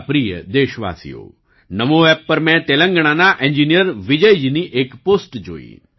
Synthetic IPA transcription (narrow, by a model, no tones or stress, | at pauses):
pɾijə̰d̪eːʃəʋa̰ːsḭjo̰ː | nɐmoʋɛːpːɐɾmɛ̃t̪eːlə̃ŋɡəɽ̃anaʔẽɲd͡ʒinijəɾʋid͡ʒəjd͡ʒiniʔeːkpoːsʈd͡ʒo̰ːḭ